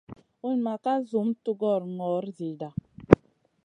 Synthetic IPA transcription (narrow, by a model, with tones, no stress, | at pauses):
u˦nma˨ka˦zu˨˦mtu˦ɡɔ˦˨ɾŋɔ˨˦ɾzi˨da˨